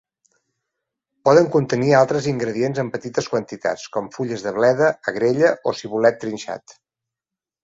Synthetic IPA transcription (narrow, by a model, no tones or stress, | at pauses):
pɔðəŋkunt̪ənialˠt̪ɾəziŋɡɾəðienzəmpət̪it̪əskwənt̪it̪a̰t͡skɔmfuʎəzðəβlɛðəːɣɾeʎəʔosiβulɛt̪ːɾinʲʃa̰t̪